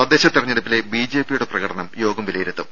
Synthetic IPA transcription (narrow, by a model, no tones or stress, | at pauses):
ɐd̪eːɕɐt̪ːirɐɲːeɽɐpːile̞bid͡ʑe̞ːpijuɽe̞prɐɣɐɽɐɳɐmjo̞ːɡɐmʋilɐjiɾut̪ːu